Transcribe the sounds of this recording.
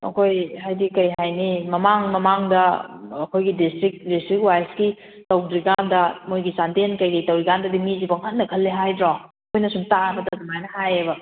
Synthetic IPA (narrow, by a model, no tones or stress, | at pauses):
ɐ̰kʰojhajdikɐjɦajnimɐmaŋmɐmaŋdɐɐkʰojɡidistɾik̚distɾik̚wajsɡi | tɐwdɾiɡandɐmojɡisandenkɐjkɐjtɐwɾiɡandɐdimizibɐŋɦɐnːɐkʰɐlːeɦajdɾaɐkʰojnɐsumtaɐmɐtɐdumajnɐɦajebɐ